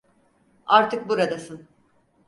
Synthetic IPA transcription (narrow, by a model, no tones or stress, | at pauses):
aɾt̪ʰɯk̚buɾad̪asɯn